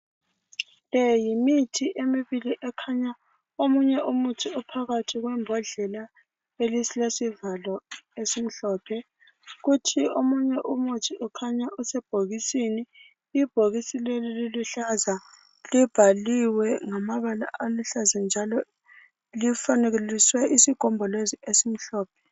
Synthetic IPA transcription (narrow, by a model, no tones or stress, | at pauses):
lɛjimitʰiʔemiβiliʔɛkʰaɲa | omuɲɛʔumutʰiupʰaɣatʰiɣwɛmbʱɔɮɛla | elislesivalɔesim̩ɬɔːpʰɛ | ɣutʰiomuɲɛʔumutʰiʔukʰaɲaʔusɛb̥ʱoɣisiniː | b̥ʱoɣisilelililuɬaza | lib̥ʱaliwɛŋamaβala̰ʔaluɬazand͡ʒʱalɔ | lifaneɣeliswɛʔisiɡ̥ʱɔmbʱɔleziesim̩ɬɔːpʰɛ̥